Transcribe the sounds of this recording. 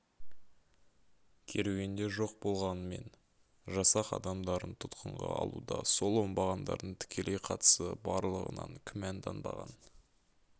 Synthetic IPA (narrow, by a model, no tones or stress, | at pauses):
kʲʰe̞ɾeɡʲe̞nd̪e̞ʒo̞q̚bo̞lˠʁɑnəme̞̰n | ʒɑsɑqɑ̰d̪ɑmd̪ɑɾənt̪ʰʊt̪qəɴʁɑ̰ɑ̰lˠud̪ɑso̞lˠwo̞mbɑʁɑnd̪ɑ̰ɾd̪əɴt̪ʰɪ̥kʲʰe̞lʔe̞jqʰɑt̪ə̥səbɑɾlˠəʁə̰nɑ̰ŋkʲʰʏmænd̪ʰɑnd̪ɑ̰ʁɑn